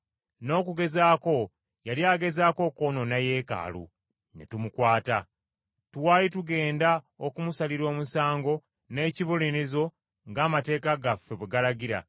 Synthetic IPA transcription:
no̞ːkuɡe̞zaːko̞ | jaljaːɡe̞zaːko̞ko̞no̞naje̞ːka̰ːlṵ | nḛtumukwaːta | twaːlituɡe̞ːnda | okumusaliɾo̞ːmusaːŋɡo̞ | ne̞ːciβulinizo̞ | ŋɡaːmate̞ːkaɡafːeβweɡalaɡiɾa̰

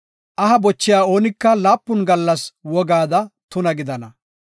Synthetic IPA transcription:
ʔɐɦɐbɔt͡ʃːɪjaːo̞ːnɪkːɐlaːpːʊnɡɐlːɐswɔɡaːd̪ɐt̪ʊnɐɡɪd̪ɐnɐ

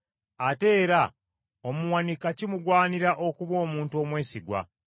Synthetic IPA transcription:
ate̞ːɾa | omuwanikacimuɡwaːniɾaʔo̞kuβo̞ːmuːntuo̞ːmwe̞ːsiɡwa̰

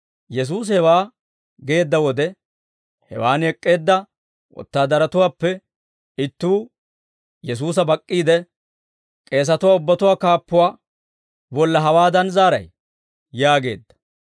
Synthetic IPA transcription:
jɛs̬uːs̬hɛwaː | ɡe̞ːd̪ːɐwɔd̪ɛ | hɛ̰waːnhɛkʼːe̞ːd̪ːɐ | wɔ̰t̪ːaːd̪ɐɾɐt̪ʊwaːpːɛ | ɪt̪ːuː | jɛs̬uːs̬ɐbɐkʼːiːd̪ɛ | kʼe̞ːs̬ɐt̪ʊwaːʊbːɐt̪ʊwaːkaːpːʊwaː | bɔlːɐɦɐwaːd̪ɐnzaːɾɐ̰j | jaːɡe̞̰ːd̪ːɐ̥

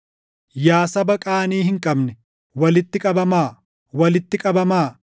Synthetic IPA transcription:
jaːsɐbɐkʼaːniːhɪŋkʼɐbnɛ | wɐlɪt̪ːɪkʼɐbɐmaː | wɐlɪt̪ːɪkʼɐbɐmaː

